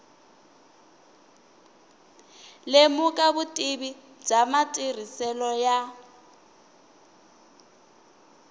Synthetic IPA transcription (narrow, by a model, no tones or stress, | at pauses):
lemukʼaβutʼiβi̥ | d͡zamatʼir̤isɛlɔja